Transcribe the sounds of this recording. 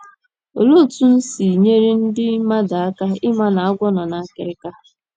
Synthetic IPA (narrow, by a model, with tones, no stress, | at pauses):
o̰˨lo˦˨tu˦n̩˦si˨ɲe˦ɾi˦n̩˦dɪ˦ma˦da˨a˦ka˦ɪ˦ma˦na˨a˦ɡʷɔ˦nɔ˨na˨˦˨kɪ˨ɾɪ˦ka˦